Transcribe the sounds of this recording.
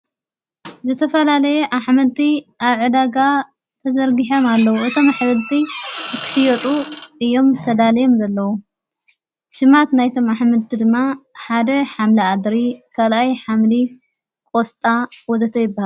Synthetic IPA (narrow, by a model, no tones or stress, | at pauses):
zɨt̪ʰɐfɐlalɐjeʔaħmɨlt̪ʰiʔaβʕɨd̪aɡa | t̪ʰɐzɐɾɡiħomalːɐwuʔɨt̪ʰo̞maħβɨlt̪ʰikʰɨ̥ʃɪjot̪ʼuʔɨjːo̞mt̪ʰɐd̪alijo̞mzɐlːɐwu | ʃɨmat̪najt̪ʰo̞maħmɨlt̪ʰid̪ɨmːaħad̪ɐħamlɐad̪ɾikʰalʔajħamli | kʼost̪ʼawɔzɐt̪ʰɐjɪbːahal